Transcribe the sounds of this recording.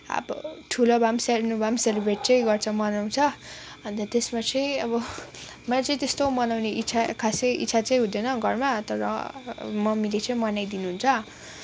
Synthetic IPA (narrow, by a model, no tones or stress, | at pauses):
a̰bʌ̰ʈʰulobʱamsernubʱamselibreʈ̚t͡sʌĩɡʌrt͡sʰʌmʌnaw̃t͡sʰʌʌnt̪ʌt̪esmat͡sʌĩʌbʌmʌlat͡sʌĩt̪est̪omʌnawneʔit͡sʰakʰaseḭsʰat͡sʌj̃ɦũd̪ʌnʌɡʱʌrmat̪ʌɾʌ̰mʌmilet͡sʌĩmʌnajd̪inuɦunt͡sʰʌ